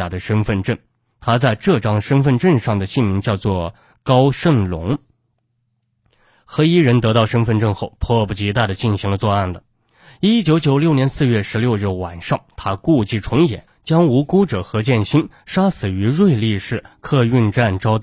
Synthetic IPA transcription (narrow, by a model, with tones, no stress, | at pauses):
a˨˩d̪ə˦ʂə˥nfə˥˧nʈ͡ʂə˥˩n | t̪ʰa˥t͡sa˥˧ɪʈ͡ʂɤ˥˩ʈ͡ʂɑ˥ŋʂə˥nfə˥˧nʈ͡ʂə˥˧nʂɑ˥˩ŋd̪ə˩ɕi˥˩nmi˧˥ŋt͡ɕjɑ˥˧ʊt͡swɔ˥˩ | kɑ˥ʊʂə˥˩ŋlʊ˧˥ŋ | xɤ˧˥i˥ɻə˧˥nt̪ɤ˧˥t̪ɑ˥˩ʊʂə˥nfə˥˧nʈ͡ʂə˥˧nxo˥˩ʊpʰwɔ˥˧bu˥˩t͡ɕi˧˥t̪a˥˩d̪ə˩t͡ɕi˥˩nɕi˧˥ŋlə˧t͡swɔ˥˧a˥˩nlə˩ | i˥t͡ɕjo˧˥ʊt͡ɕjo˧˥ʊljnjɛ˧˥nsɹ̩˥˧ɥɛ˥˩ʂɻ̩˧˥ljo˥˧ʊɻɻ̩˥˩wa˨˩nʂɑ˥˩ŋt̪ʰa˥ku˥˧t͡ɕi˥˩ʈ͡ʂʰʊ˧˥ŋjɛ̰˨˩˦nt͡ɕjɑ˥ŋu˧˥ku˥ʈ͡ʂɤ˨˩xɤ˧˥t͡ɕjɛ˥˩nɕi˥n | ʂa˥sɹ̩˨˩y˧˥ɻwe˥˧ɪli˥˧ʂɻ̩˥˧kʰɤ˥˧y˥˧nʈ͡ʂa˥˩nʈ͡ʂɑ˥ʊt̪